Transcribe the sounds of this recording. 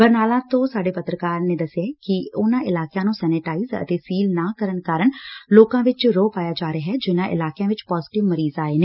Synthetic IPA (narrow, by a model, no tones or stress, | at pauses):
bəɾnaːlãːt̪õːsaːɖeːpət̪ɾəkaːɾneːd̪əsjaːkɪʊnãːɪlaːkjãːnũːsɛːnɪʈaːiːzə̰t̪eːsiːlnaːkəɾənkaːɾəɳloːkãːʋɪt͡ʃɾoːpaːjaːd͡ʒaːɾeaɦɛːd͡ʒɪnãːʔɪ̰laːkjãːʋɪt͡ʃpɔːzɪʈɪʋməɾiːzaːeːneː